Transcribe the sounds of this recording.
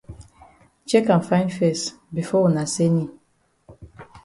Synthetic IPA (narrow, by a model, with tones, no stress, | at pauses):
t͡ʃɛ˦kã˨nfã˦ɪ̃ndfɛ˦˨s | bi˨fɔ˦wu˨na˨se˦ni˦